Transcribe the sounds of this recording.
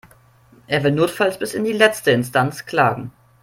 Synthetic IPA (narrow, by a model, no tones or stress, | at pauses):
ʔeːɐvɪlnoːtfalsb̥ɪsɪndiːlɛt͡stəɪnstant͡skl̥aːɡŋ̩